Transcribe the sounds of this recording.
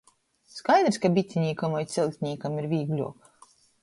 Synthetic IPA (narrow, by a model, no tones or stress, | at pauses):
skajd̪ɾskabʲit̪sʲiɲʲiːkamajt̪sʲilʲˠt̪ʲɲʲiːkamiɾvʲiːɡlʲṵɔk